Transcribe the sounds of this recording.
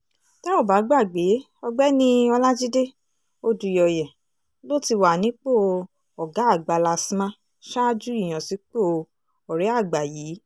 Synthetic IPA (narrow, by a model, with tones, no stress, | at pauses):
ta˦o˦˨ba˨˦ɡ͡ba˦˨ɡ͡be˨˦ | ɔ˧ɡ͡bɛ˦nĩ˦ɔ˧la˦d͡ʒi˦de˦ | o˦du˨jɔ˨jɛ˨ | lo˦˨ti˧wa˨nĩ˨˦k͡po˦˨ | ɔ˨ɡa˨˦a˦˨ɡ͡ba˧la˧si˦mã˦ | ʃa˦d͡ʒu˦i˦˨j̃ã˨si˨˦k͡po˦˨ | ɔ˨ɾɛ˨˦a˦˨ɡ͡ba˨ji˨˦